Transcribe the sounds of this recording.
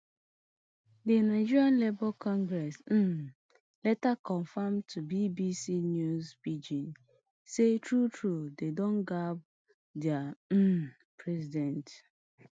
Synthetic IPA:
dinaɪd͡ʒiɾanlebɔlkʰɔ̃ŋɡɾɛs̩ | lɛtakɔ̃ɱfamtʰubibisinjuzpid͡ʒĩn | setɹutʰɹudedõnɡab̚ | dɛam̩ | pɹɛzidɛ̃nt

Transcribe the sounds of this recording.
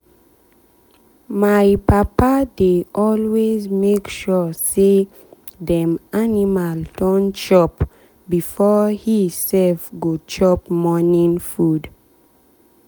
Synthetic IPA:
majpapadeʔɔlwezmekʃɔse | dɛ̃mʔanimaltɔ̃nt͡ʃɔp | bifɔhisɛlfɡot͡ʃɔpmɔnĩnfud

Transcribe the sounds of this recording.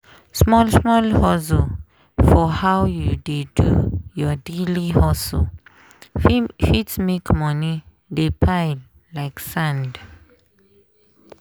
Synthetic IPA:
smɔlsmɔlhɔzo | fɔhawjudedṵjɔdelihɔso | fitsmekmɔ̃ni | depʰajd | laɪksãnd

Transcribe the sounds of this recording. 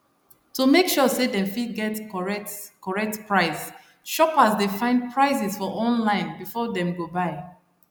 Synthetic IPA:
tumekʃɔsedɛ̃mfiɡɛtkɔɹɛtkɔɹɛk̚tpɹaɪs | ʃɔpasdefãɪ̃nd̚pʰɹaɪs̬isfɔʔɔ̃nlãɪ̃nbifɔdɛ̃mɡobaɪ

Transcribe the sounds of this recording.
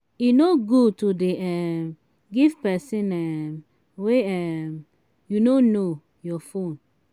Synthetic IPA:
inoɡutudeɛm | ɡivpɛsĩnɛm | weɛm | junono | jɔfõn

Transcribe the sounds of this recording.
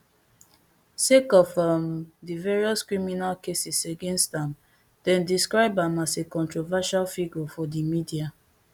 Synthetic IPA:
sekɔfamdivɛɹiɔskɹiminalkesiseɡẽnstãm | d̥ɛ̃ndiskɹaɪbãmasekɔ̃ntɹovaʃalfiɡufɔdimidia

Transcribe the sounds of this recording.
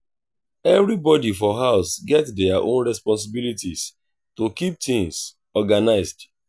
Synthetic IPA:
ɛvɹibɔdifɔɦaʊsɡɛtdɛaʔõ̰nɹɛspɔ̃ns̬ɪbilitis | tokip̚tĩŋs | ɔɡanaɪzd

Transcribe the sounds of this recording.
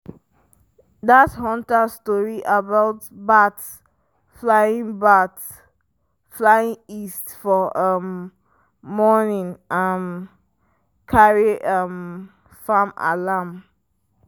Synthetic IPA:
dathɔ̃ntastɔɹiʔabaʊtbat | flaĩŋbat | flaĩŋistfɔʌmː | ɔnĩŋam | kʰaɹiʔʌm | fama̰lam

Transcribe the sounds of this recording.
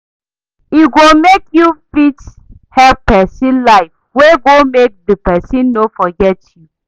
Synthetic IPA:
iɡomekjupɾit͡ʃ | hɛpɛsĩnlaɪf | weɡomek̚dəpɛsĩnːofɔɡɛtju

